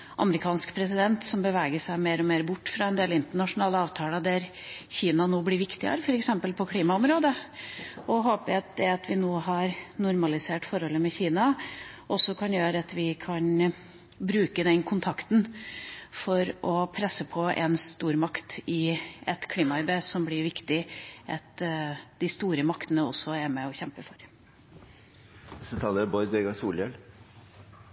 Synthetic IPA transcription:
ʔɑ̰məɾɪkʰɑːnskpʰɾɛsɪd̪ɛnt̪sɔmbəʋæːɡəʂæɪmeːɾɔmeːɾbʊʈːfɾɑɛnd̪eːlɪnt̪əɳɑʂʊnɑːləɑːʋt̪ʰɑːlɑd̪æɾ | çiːnɑnoːblɪɾʋɪkt̪ɪə̰ɾəfɔɾɛksɛmpəlpʰɔkʰliːmɑɔmɾoːd̪ə | ʔɔɦoːpəæɑt̪̚d̪ɛɑt̪ʰʋɪnoːɦɑɾnʊɾmɑlɪseːʈfɔɾhɔlːəmɛçiːnɑʔɔsːɔkʰɑnjøːɾəɑt̪ʋɪkʰɑn | bɾʉːkəd̪ɛnkʰʊnt̪ʰɑkt̪n̩ | fɔɾɔpʰɾɛsːəpʰɔʔɛnst̪uːɾmɑkt̪ɪɛt̪kʰliːmɑɑɪbeːsɔmblɪɾʋɪkt̪ɪʔɑt̪d̪̥ɪst̪uːɾəmɑkt̪ənəɔ̰sːɔæɾmɛɔçɛmpəfɔɾ | ɛsət̪ʰɑːləɾbɔɾd̪eɡɑsuːljɛl

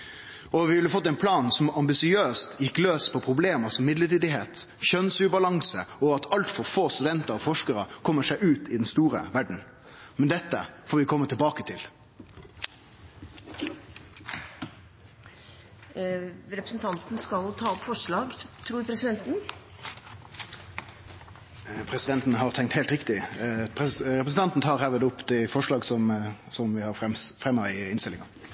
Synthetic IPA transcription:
ɔʋɪhɑlːəfɔt̪ːæɪnpʰlɑːnsɔmɑmbɪsɪøːst̪ʰjɪkːløːspʰɔpʰʁʊbleːməsɔmːɪd̪ləʈiːd̪ɪɦeːt̪ | çœnsʉːbɑlɑŋsəɔɑt̪ʰɑlt̪fɔɾfoːst̪ʉd̪ɛnt̪əɾɔfɔʂkəɾəkʰɔmːəʂæɪʔʉːt̪ʰɪd̪ɛnst̪uːɾə̰ʋæɖɳ̩ | mɛnd̪ɛt̪ːə̰foːɾʋɪkʰɔmːət̪ʰɪlbɑːkət̪ʰɪl | ɾɛpɾəsn̩t̪ʰɑnt̪nskɑlt̪ʰɑːɔpfɔʂɭɑːɡt̪ʰɾuːɾpʰɾɛsɪd̪ɛnt̪n̩ | pʰɾɛsɪd̪ɛnt̪n̩hɑʁt̪ʰɛŋkt̪hɛːlt̪ɾɪkt̪ɪpʰɛɾɛpɾəsn̩t̪ɑnt̪n̩t̪ʰɑːɾhæːʋɪd̪ʊpːd̪ɛfɔʂɭɑːɡsɔmsɔmʋɪhɑɾɛfʁɛmːɑɪɪnst̪ɪlɪŋɑ

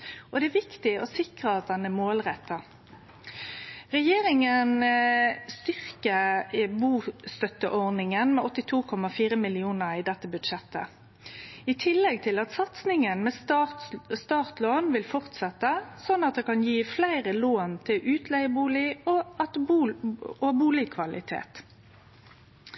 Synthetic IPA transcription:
ʔɔd̪ɛæʋɪkt̪ɪɔsɪkʁəɑt̪̚d̪ɛnːəmoːlʁɛt̪ːə | ʁɛjeːɾɪŋən | st̪ʏʁkəbuːst̪œt̪ːəʔɔʁnɪŋənmɛɔt̪ːɪt̪ʰuːkʰɔmɑfiːɾəmɪlɪuːnəʁɪd̪ɛt̪ːəbʉd̪ʂɛt̪ːə̰ | ɪːt̪ʰɪlːɛɡ̚t̪ʰɪlɑt̪sɑt̪snɪŋənmeː | st̪ɑːʁt̪loːnʋɪlfɔʁt̪sɛt̪ːəsɔnːɑt̪̚d̪eːkɑnjiːflæɪʁəloːnt̪ʰɪlʔʉːt̪ʰlɛɪəbuːlɪɔɑt̪ː | ɔbuːlɪkʰʋɑlɪ̰t̪ʰḛːt̪

